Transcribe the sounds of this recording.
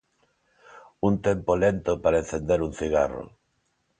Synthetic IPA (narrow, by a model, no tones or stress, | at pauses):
unt̪empolent̪opaɾaen̟θend̪eɾunθiɣaro̰